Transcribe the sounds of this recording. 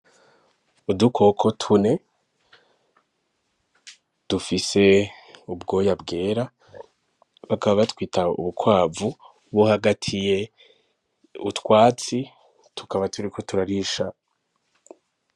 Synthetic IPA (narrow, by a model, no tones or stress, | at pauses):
udukʰo̞kʰo̞tʰune̞ | d̥ufise̞ubɡo̞ːjabɡe̞ːɾa | βakaβaβatwiːtʰaṵβukwaːvu | βohaɡatʰije̞ | ṵtkwaːt͡si | tʰu̥kaβatʰuɾikʰo̞tuɾaɾiʃa